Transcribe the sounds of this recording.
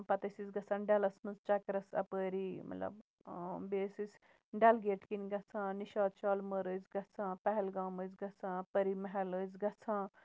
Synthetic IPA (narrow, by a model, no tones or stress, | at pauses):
pɐt̪ɐsisɡɐt͡sãːnɖɐlɐsmɐnzt͡ʃɐkɾɐsɐ̰pəːɾiːmɐ̰t̪lɐ̰b | beːsis | ɖɐlɡeːʈʰkinɡɐt͡sʰãːniʃaːd̪t͡ʃɔːlməɾəːzɡɐt͡sʰãːpɛɦɛlɡaːməzɡɐt͡sʰãːɐpəɾimɐɦɛləːzɡɐt͡sʰãː